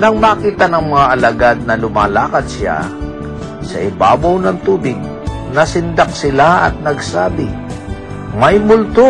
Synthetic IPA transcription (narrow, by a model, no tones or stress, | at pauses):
nɐŋmaːkiːt̪ɐnɐŋmɐŋaʔɐlɐɡad̪̚nɐlʊmaːlaːkɐd̪̚sa̰ | sɐ̰ʔɪba̰ːbawnɐŋt̪uːbɪɡ̚ | nɐsɪnd̪ak̚sɪlaʔɐ̰t̪̚nɐɡsaːbɪ | mɐjmʊlt̪o